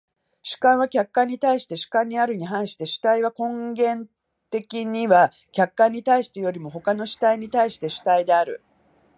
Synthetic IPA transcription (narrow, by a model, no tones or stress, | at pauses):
ɕɨ̥kãɰ̃βakʲakːãɲ̟ːit̪aiɕi̥t̪e̞ɕɨ̥kãɲ̟ːiaɾɯ̟ɲ̟iɦãɰ̃ɕi̥t̪e̞ɕɨ̥t̪aiβ̞akõ̞ŋɡẽ̞n | t̪e̞kʲiɲ̟iβa | kʲakːãɲ̟ːit̪aiɕi̥t̪e̞jo̞ɾʲimo̞ɦo̞kano̞ɕɨ̥t̪aiɲ̟it̪aiɕi̥t̪e̞ɕɨ̥t̪aid̪e̞aɾɯ̟̰